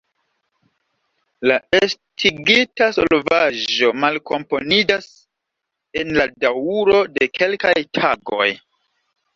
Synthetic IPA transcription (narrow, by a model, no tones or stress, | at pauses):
laestʰiɡitaso̰lvad͡ʒo̞malko̞̰mpo̞nid͡ʒas | enladawuɾo̞de̞kʰe̞lkajtʰaɡo̞̰j